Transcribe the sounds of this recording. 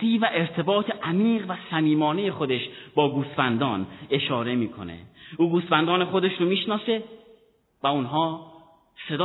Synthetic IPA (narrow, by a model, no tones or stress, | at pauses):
iːvæʔe̞ɾt̪ʰe̞bɒːt̪ʰe̞ʔæmiːɢvæsæmiːmɒːne̞je̞xo̞d̪e̞ʃbɒːɡuːst̪fænd̪ɒːne̞ʃɒːɾe̞miːkʰo̞̰ne̞̰uːɡuːst̪fænd̪ɒːne̞xo̞d̪e̞ʃɾomiːʃnɒːse̞ | væunɦɒː | se̞d̪ː